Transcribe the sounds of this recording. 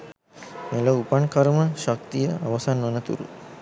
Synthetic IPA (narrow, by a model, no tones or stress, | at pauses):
meləupaɳkaɾəməʃak̚t̪ijəaʋɐsanʋɐnət̪ṵɾṵ